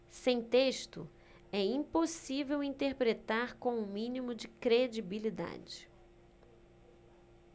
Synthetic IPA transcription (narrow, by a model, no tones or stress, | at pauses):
sẽj̃t̪eʃt̪ʊ̰ | ɛĩposivewĩnt̪eɾpɾet̪aɾkõʊ̃mĩnimʊd͡ʒɪkɾed͡ʒibilid̪a̰d͡ʒɪ